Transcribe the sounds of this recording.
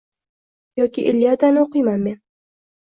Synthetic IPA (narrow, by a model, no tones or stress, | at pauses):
jɒkʲʰɪʔɪlːijad̪anɪoqɨjmanme̞n